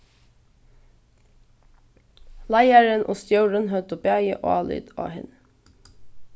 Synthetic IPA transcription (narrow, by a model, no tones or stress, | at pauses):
lɑɪæɹənʔo̰ːst̪jœʉɹənhœt̪əbæjə̰ʔoːɑːly̰ːd̪ɑ̰ːhɪ̰n